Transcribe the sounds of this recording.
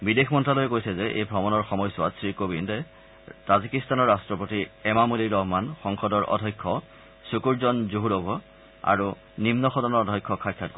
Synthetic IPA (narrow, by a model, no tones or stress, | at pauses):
bidexmɔntɹalojɛkojsɛzɛʔḛjbʱɹɔmɔnɔɹxɔmɔjsʊwa̰tsɹikobindɛ | tazikistanɔɹːastɹɔpotiɛmamuliɹɔɦmanxɔŋxɔdɔɹʔɔ̰dʱɔjkʰːɔ | sukuɹzɔnzuɦudɔbʱɔ | a̰ɹu | nimnɔxɔdɔnɔɹɔdʱɔjkʰːɔkʰajkʰːat̚ko